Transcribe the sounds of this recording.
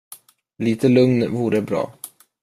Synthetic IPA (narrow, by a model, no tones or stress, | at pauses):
liːt̪ʰəlɵŋnvuːɾəbɾɑ̰ː